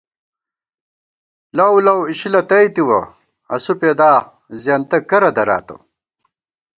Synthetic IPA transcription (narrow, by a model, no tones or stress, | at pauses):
lɐwlɐwiɕilɐt̪ɐjt̪iwɐ | ɐ̰supeːd̪aː | zjaːnt̪ɐkɐɾɐd̪ɐɾa̰ːt̪o̰